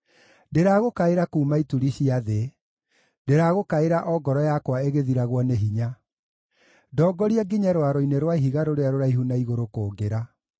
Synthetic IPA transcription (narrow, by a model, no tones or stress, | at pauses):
ndeɾaɣokaeɾakuːmaituɾiɕiaðe | ndeɾaɣokaeɾaʔɔɡɔɾɔjakwaeɣeðiɾaɣwɔneɦiɲa | dɔːɡɔɾiaɡiɲɛɾwaɾoineɾwaiɦiɣaɾoɾeaɾoɾaiɦunaiɣoɾokoːɡeɾa